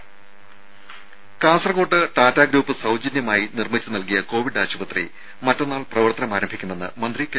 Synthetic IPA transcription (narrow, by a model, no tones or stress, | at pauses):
kaːnsɐrɐɣoːʈːɨʈaːtːaːɡɾuːpːɨsɐwd͡ʑɐnjɐmaːjinirmit͡ɕːɨnɐlkijɐko̞ːʋiɖaːɕubɐt̪rḭ | mɐtːɐnːaːɭprɐʋɐrt̪ɐnɐmaːɾɐmbʱikʲːumenːɨ̰mɐnd̪rike